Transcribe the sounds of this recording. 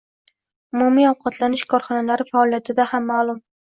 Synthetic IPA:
ʊmʊmiɒwqʰɑt̪ʰlanɪʃkʰɒɾχɒnalaɾɪfaːlˠijat̪ʰɪd̪ahamːaːlˠʊm

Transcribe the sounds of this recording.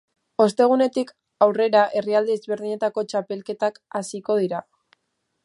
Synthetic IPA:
o̞st̪e̞ɣ̞une̞t̪ik | awre̞ɾaʔe̞riald̪eːzβe̞ɾð̞iɲe̞t̪ako̞t͡ʃape̞lke̞t̪akasiko̞ð̞iɾa

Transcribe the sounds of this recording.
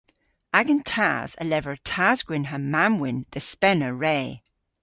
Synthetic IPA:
aɡə̃ntʰa̰z̥ə̰lɛvəɹtʰazɡwɪ̃nɦəmːamwɪ̃nðəspɛnəɹeː

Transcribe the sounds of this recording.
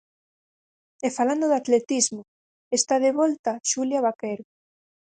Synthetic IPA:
efaland̪oðat̪let̪izmʊ | est̪aðeβɔlt̪aʃuljaβakeɾo

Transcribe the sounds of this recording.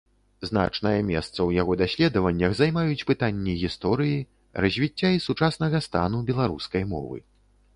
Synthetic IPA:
zn̪a̰t͡ʂnɐjɐmʲɛ̰st̪sɐwjaɣɔd̪asʲlʲɛd̪ɐvɐnʲːɐxzajmajut͡sʲpɨt̪anʲːiɣʲist̪ɔɾɨji | rɐzʲvʲit͡sʲːaisut͡ʂasnɐɣɐst̪a̰nubʲɛlˠaɾṵskɐjmɔ̰vɨ̰

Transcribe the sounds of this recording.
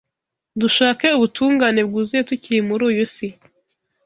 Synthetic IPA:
duʃaːke̞uβutʰuːŋɡaːne̞b̚ɡuːzijetuciɾimuɾuːjusi

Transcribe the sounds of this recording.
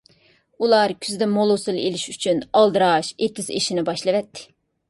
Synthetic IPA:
ulˠɑɾkʲʰyzd̪ɛmolˠosɨlˠelɪʃyt͡ʃʰynɑlˠd̪ɨɾɑʃet̪yzḛʃinɪbɑʃlˠɨvɛt̪ʰːɪ̥

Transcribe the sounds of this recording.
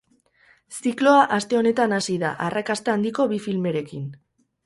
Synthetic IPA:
siklo̞aʔast̪e̞o̞ne̞t̪anasiðaʔarakast̪eand̪iko̞βifilme̞ɾe̞kin

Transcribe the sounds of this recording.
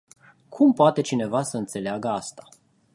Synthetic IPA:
kʰumpoat̪e̞t͡ʃine̞vasəɨnt̪se̞leaɡəast̪a

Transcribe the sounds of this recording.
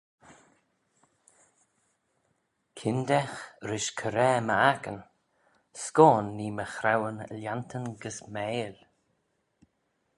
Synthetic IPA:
kʰɪnd̪ɛxɾɪʃkʰəɾɛːməakən | skoːnːiːməxɾawənə̰lʲjant̪ʰənɡəsmɛːl

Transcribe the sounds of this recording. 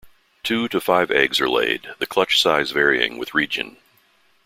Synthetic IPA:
tʰʉɾɨfaɪvɛɡzə̰˞lḛɪd̪̚ðɨkʰl̥ʌt͡ʃsaɪzvɛɹiɪ̰̃ŋwɨðɹid͡ʒɨ̰̃n

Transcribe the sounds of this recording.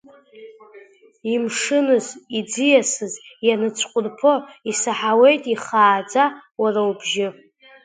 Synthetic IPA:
imʂɨnɨzid͡zijasɨzjanɨt͡sʰqʷʼʊrpʰo̞isaħawe̞jtʼiχaːd͡zawarawubʒɪ

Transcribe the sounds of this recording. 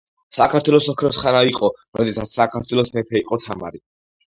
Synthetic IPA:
sakʰaɾt̪ʰwɛlɔsɔkʰɾɔsχanaiqʼɔɾɔd̪ɛsat̪ssakʰaɾt̪ʰwɛlˠɔsmɛpʰɛiqʼɔt̪ʰama̰ɾi

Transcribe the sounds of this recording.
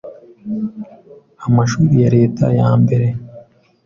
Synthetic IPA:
amaʃuːɾijaɾe̞ːtʰa̰jaːmbe̞ɾe̞

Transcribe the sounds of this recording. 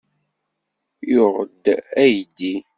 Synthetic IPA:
jʊʁəd̪æjd̪i

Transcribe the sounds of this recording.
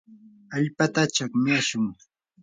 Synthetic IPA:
aʎpat̪at͡ʃakmɪaʃʊŋ

